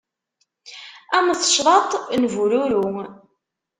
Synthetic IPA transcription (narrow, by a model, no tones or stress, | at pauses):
æməθʃðˤɑt̪ˤnvuɾʊɾʊ